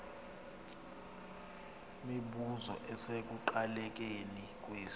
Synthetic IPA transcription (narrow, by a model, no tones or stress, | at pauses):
miɓuzɔ̰ʔɛsek̬ʼuǃalɛk̬ʼenik̬ʼweːs